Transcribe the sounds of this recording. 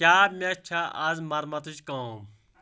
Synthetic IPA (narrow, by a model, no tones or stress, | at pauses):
aːbmẽɐt͡ʃʰaʔɐzmɐɾmɐt̪ut͡ʃkɐ